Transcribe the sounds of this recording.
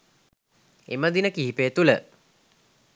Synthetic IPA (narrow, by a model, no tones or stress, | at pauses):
ḛməd̪inəkiɦipeːt̪ulə̰